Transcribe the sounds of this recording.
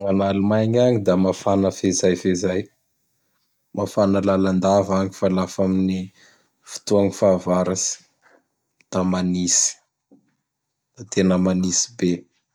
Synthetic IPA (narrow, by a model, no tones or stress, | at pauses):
ŋanalumajɲaŋid̪amafanəfezajfezaj | mʔafanəlaland̪avaŋifalafamini | fi̥t̪uaŋifavaɾasi̥ | d̪̥amanisi̥ | d̪̥at̪enəmanisi̥be